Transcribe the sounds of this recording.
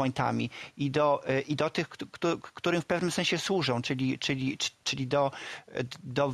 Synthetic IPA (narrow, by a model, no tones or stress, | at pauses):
ɔjnt̪a̰mʲiid̪ɔʔid̪ɔt̪ɘxt̪ukt̪uɾɘfpɛvnɘmsɛ̃ñɕɛswuʐɔ̃w̃t͡ʂɘlʲit͡ʂɘlʲi̥t͡ʂɘlʲid̪ɔ | d̪ɔ